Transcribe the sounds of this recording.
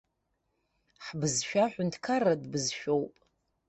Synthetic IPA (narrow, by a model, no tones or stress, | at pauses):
ħbɨzʃᶣaħʷʊntʰkʰaradbɨzʃᶣo̞wpʼ